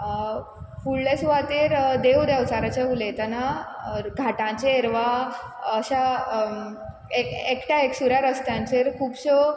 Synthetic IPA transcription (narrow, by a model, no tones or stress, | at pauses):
fuɭːesʋat̪iːɾd̪eʋd̪awt͡saɾat͡ɕeɦulet̪ɛnaɡʱaʈãt͡ɕeːɾʋa | əɕa | ekekʈaeksuɾjaɾəst̪jãɲt͡ɕeɾkʰuːpɕə